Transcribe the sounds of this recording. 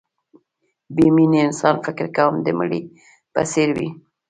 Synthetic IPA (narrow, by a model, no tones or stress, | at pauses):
biminiɪnsɑnfɪkɾkawəmd̪əməɽi | pa̰seɾwḭ